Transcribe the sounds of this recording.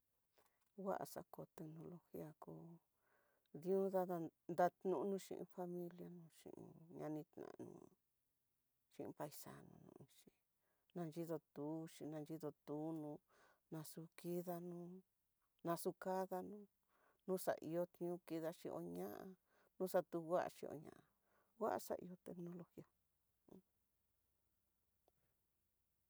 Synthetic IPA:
wa˦ʔa̰˨sa̰˧˦ko˧˨t̪e˧knõ˧lo˧xi˦a˧ku˦ | ðĩ˦ũ˦ða˦ða˧nd̪a˧t̪nũ˦nũ˦ʃḭ̃˧ʔḭ̃˧fa˦mĩ˦lja˧nũ˧ʃḭ̃˧˨ʔḭ̃˧ɲã˧nĩ˧t̪nã̰˨nṵ̃˧ | ʃĩ˧ʔĩ˧pa˧i˧sa̰˧˨nṵ̃˧nṵ̃˧ĩ˧ʃi˧ | nã˧nd͡ʒi˦ðo˧t̪uː˨˦ʃĩ˧nã˧nd͡ʒi˦ðo˧t̪uː˨˦nũ˧ | nã˧su˧ki˦ða˧nũ˦ | nã˧su˧ka˦ða˧nũ˦ | nũ˦sa̰˨ʔi˧jo˧t̪ɲ˦ũ˦ki˧ða˧ʃĩ˧ʔo̰˧ɲã˦ʔa˧ | nũː˦sa˧t̪u˧˦wʷa˦ʔa̰˧ʃĩ˧o̰˧ɲã̰˧˨ʔa˧ | wa˦ʔa˧sa̰˧ʔḭ˧o˧t̪e˧knõ˧lo˧xi˦ã˧˦

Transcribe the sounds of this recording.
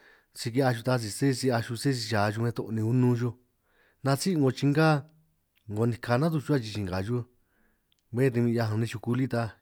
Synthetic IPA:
si˧k̬i˧a˧ʃu˧t̪a˧s̬i˧se˦˧si˧a˧ʃu˧se˦˧s̬i˧ʃaː˨˧ʒu˧mẽ˧t̪o̰˧ʔnĩ˧u˧nũ˧ʒo˧ | nã˧t͡si˦˧ŋɡo˧t͡ʃi˧ŋɡa˦ | ŋɡo˧nĩ˧kʰa˧nã˦t̪̬u˧t͡ʃu˧˦a˦˧t͡ʃi˧t͡ʃi˧ŋɡa˨ʒu˦ | βẽ˦˧t̪e˧ĩ˧a˧ɦã˧nĩ˧ʃu˧ku˧li˦t̪a˧

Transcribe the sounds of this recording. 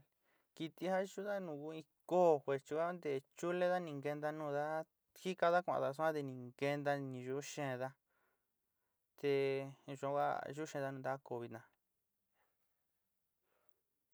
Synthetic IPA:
ki˧t̪i˧ha˦ʒu˦ða˦nũ˧˨ku˧˦ĩ˧koː˦˨xʷe˧ɾt͡ʃi˧kʷa˦a˦nd̪e˧˨t͡ʃu˦le˦ða˦nĩ˧ŋɡe˧nd̪a˧nũː˧ða˦ | xi˦ka˧ða˦kʷã̰˧˨˧a˧s̬u˦ã˦t̪e˧nĩ˨ŋke˧nd̪a˧nĩ˧ʒu˧˦ʃẽ˧˨˧ða˧ | t̪e˧ʒu˧ã˧kʷa̰˦ʒu˦ʃẽ˧ða˧nũ˧˨d̪a˦ko˧βi˧t̪nã˧

